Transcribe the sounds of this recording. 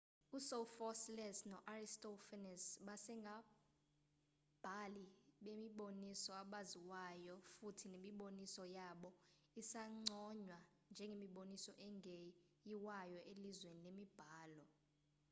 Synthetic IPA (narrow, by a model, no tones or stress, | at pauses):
usɔfɔslɛsnɔʔaristɔfɛnɛsɓasɛŋɡʱa | b̥ʱaliɓemiɓonisɔaɓaziwajɔfutʰinemiɓonisɔjaɓɔ | isaŋ͡ǀɔɲwa | nd͡ʒʱɛŋɡʱemiɓonisɔʔɛŋe | jiwajɔʔelizweninemib̥ʱaːlɔ